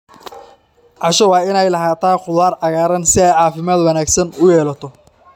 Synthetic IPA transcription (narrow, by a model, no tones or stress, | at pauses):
ʕɑʃɐwɑːɪnɛjlɐɦaːt̪ʰaːqʊðwaːɾʕɑɣaːɾɐnsɪɛjʕɑːfɪmaːd̪wɑnaːɡsɐnʊjɛːlɐt̪ʰɔ